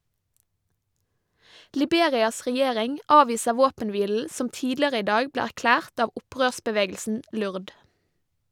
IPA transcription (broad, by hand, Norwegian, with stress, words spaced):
lɪˈbeːɾɪɑs ʁɛˈjeːɾɪŋ ˈɑːʋiːsə ˈʋoːpənˌʋiːl̩ ˈsɔm ˈtiːdlɪəʁə ˈiː ˈdɑːɡ ˈbleː æʁˈklæːʁt ˈɑːʋ ˈʊˌpʁøːsbəˌʋeːɡəlsn̩ ˈlʉʁd